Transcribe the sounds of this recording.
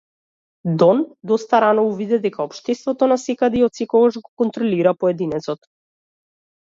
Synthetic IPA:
d̪ɔnd̪ɔst̪aɾanɔuvid̪ɛd̪ɛkaɔpʃt̪ɛst̪vɔt̪ɔnasɛkad̪ɛiɔt̪sɛkɔɡaʒɡɔkɔnt̪ɾɔliɾapɔɛd̪inɛt̪sɔt̪

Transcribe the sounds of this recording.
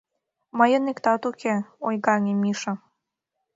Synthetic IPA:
mɑjɤnikt̪ɑt̪ukʰʲeojɡɑnʲemʲiʃɑ

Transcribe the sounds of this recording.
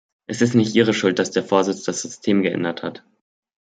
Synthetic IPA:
ʔɛsɪstnɪçtʔiːʁ̞əʃʊlt̚d̥asd̥eːɐfoːɐzɪt͡sd̥asz̥ʏstʰeːmɡəʔɛ̰ndɐthat

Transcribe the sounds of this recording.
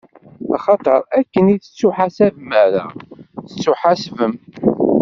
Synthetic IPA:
ɑ̰χɑt̪ˤəɾˤækːəniθə̥t͡sːuħasævmæɾæ̰θət͡sːuħasvəm

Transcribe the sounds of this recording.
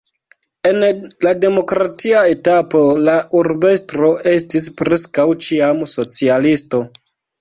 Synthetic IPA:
e̞nlade̞mo̞kɾatiae̞tapo̞laʔuɾbe̞stɾo̞e̞stispɾe̞skawt͡ʃiamso̞t͡sialisto̞

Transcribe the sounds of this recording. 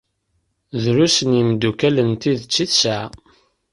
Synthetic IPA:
ðɾusənimd̪ukælənt̪iðt͡sːiθsa

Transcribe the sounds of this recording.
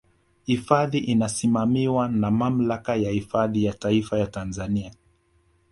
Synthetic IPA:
hifaðiʔinasimamiwanamam̩lakajahifaðijataifajatanzania

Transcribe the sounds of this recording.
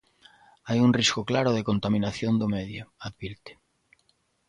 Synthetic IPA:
ajunriskʊklaɾʊðekont̪amĩnaθjond̪ʊmeðjʊaðβiɾt̪e̥

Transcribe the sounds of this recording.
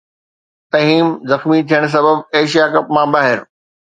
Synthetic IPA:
sɐɦiːmzɐxmit̪ʰijəɽ̃s̬ɐbəbeːʃijakɐpmãbaːɦɪɾ

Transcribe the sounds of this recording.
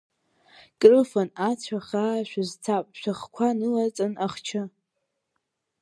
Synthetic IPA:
kʼrɨfanat͡sʷʰaχaːʃʷᶣazt͡sʰapʼʃʷaχkʷʰanɨlat͡sʼɨnʔaχt͡ʃʰɨ

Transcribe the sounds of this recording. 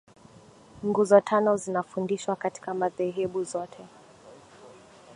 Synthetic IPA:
ŋɡuzɔtʰanɔzinafundiʃwakati̥kamaðɛɦɛɓuzɔtʰɛ

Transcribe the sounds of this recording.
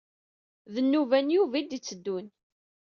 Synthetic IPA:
ðənːuvænjuvid̪it͡sːəd̪ːun

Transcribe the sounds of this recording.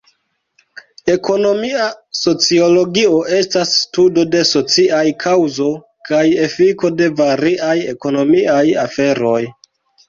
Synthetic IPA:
e̞ko̞no̞miaso̞t͡sio̞lo̞ɡio̞ʔe̞stasːtudo̞de̞so̞t͡siajkʰawzo̞ | kaje̞fiko̞de̞vaɾiʔaje̞̰ko̞no̞miaja̰fe̞ɾo̞j

